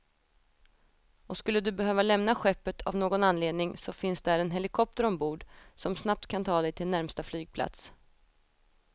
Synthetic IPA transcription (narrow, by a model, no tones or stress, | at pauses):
ɔskɵlːəd̪ɵbɛɦøːvalɛmnaɧɛpːət̪ʰavnoːɡɔnanleːd̪nɪŋsɔfɪnsd̪ɛæɾɛnɦɛlɪkʰɔp̚t̪əɾɔmbuːɖsɔmsnap̚t̪kʰant̪ʰɑːd̪ɛjt̪ʰɪlnæɾmst̪aflyːɡ̚pʰla̰t̪s